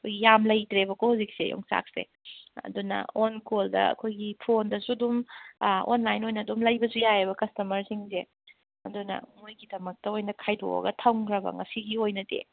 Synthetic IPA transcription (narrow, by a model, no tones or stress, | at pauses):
ɐkʰojɡijamlɐjtɾebɐkohawzik̚sḛjo̰ŋsa̰k̚sḛ | ɐ̰dunɐ̰onkoldɐ̰ɐ̰kʰojɡipʰondɐsudum | o̰nlajnojnɐdumlɐjbɐsujajebɐkɐstɐmɐɾsiŋze | ɐ̰dunɐ̰ŋojɡidɐmɐk̚tɐojnɐkʰajdo̰wɐ̰ɡɐtʰɐwŋkʰɾɐbɐ̰ŋɐsiɡiojnɐdḛ